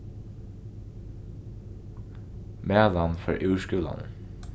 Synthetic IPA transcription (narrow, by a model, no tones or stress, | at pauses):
mæːlanfœɹʔʉːʃkʉːla̰nə̰